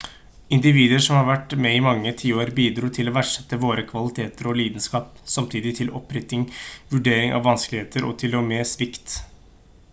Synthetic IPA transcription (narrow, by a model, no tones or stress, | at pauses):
ɪnd̪ɪʋiːd̪əʂɔmhɑɾʋæʈːmɛɪmɑŋːət̪ʰiːoːɾbiːd̪ɾuːt̪ʰɪlɔʋæʈʂɛ̥t̪ːəʋoːɾəkʰʋɑlɪt̪ʰeːt̪əɾɔliːd̪ənskɑːpsɑmt̪ʰiːd̪ɪt̪ʰɪlʔɔpːɾɪt̪ɪŋʋʉɖeːɾɪŋɑ̰ʋʋɑnsklɪheːt̪ʰəɾɔ̰t̪ʰɪlɔmesʋɪkt̪